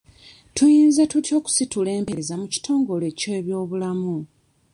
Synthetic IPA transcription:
tujiːnzatutjo̞ːku̥situle̞ːmpe̞ɾezamuci̥tʰo̞ːŋɡo̞le̞ːceβjo̞ːβulamu

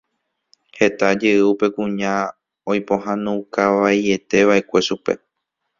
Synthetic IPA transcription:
he̞t̪ad͡ʒeɨupe̞kũɲã | ojpo̞ɦãnũkaʋaje̞t̪e̞ʋaʔekʷe̞ʃupe̞̰

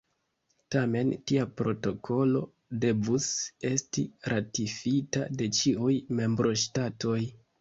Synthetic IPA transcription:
tame̞ntiapɾo̞to̞kʰo̞lo̞ | de̞vuse̞stiɾatifita̰de̞t͡ʃiujme̞mbɾʔo̞ʃtato̞j

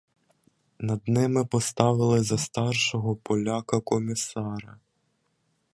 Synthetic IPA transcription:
nɐd̪nɪmɪpɔst̪ɑʋɪlˠɪzɐst̪ɑrʃɔɦɔpɔlʲakɐkɔmʲɪsɑɾɐ

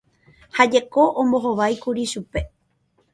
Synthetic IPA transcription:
had͡ʒe̞ko̞ʔõmbo̞ɦoʋajkuɾiʃupe̞

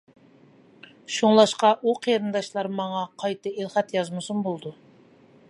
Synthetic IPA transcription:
ʃuŋlˠɑʃqɑʔuqʰjɾɨnd̪ɑʃlˠɑɾmɑŋɑqʰɑjt̪ɨelˠχæt̪jɑzmɨsumbolˠd̪u

